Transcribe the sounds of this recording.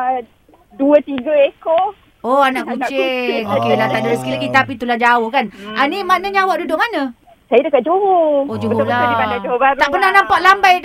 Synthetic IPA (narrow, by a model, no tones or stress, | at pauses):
duət̪iɡəeko | oanaʔkut͡ʃeŋokelaht̪aʔdəsə̥kilaɡit̪apit̪ulahd͡ʒaʊhkananimanəɲawaʔdudʊʔmanə | sajədəkaʔ̚d͡ʒoɦood͡ʒuɦolaaad͡ʒobaɾt̪aʔpənahnampaʔlambaj